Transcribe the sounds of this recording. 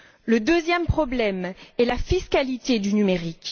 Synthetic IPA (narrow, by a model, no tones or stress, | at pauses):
ləd̪øzjɛmpχɔblɛmɛlafiskalit̪ed̪ynymeʁik